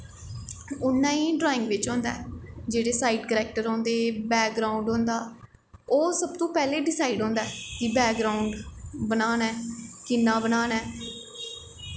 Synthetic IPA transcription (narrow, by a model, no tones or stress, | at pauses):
ʊnːãːĩːɖɾaːɪ̃ŋɡʋɪt͡ʃɦõːnd̪a̰ɛd͡ʒeːɽeːsaːiːɖkəɾɛːk̚ʈəɾɦõːnd̪eːbɛːk̚ɡɾaːuɳɖɦõːnd̪aː | oːsəb̚t̪õːpɛːleːɖɪsaːiɖɦõːnd̪aːɛkɪbɛːk̚ɡɾaːʊɳɖbənaːnɛːkɪnːaːbənaːnɛː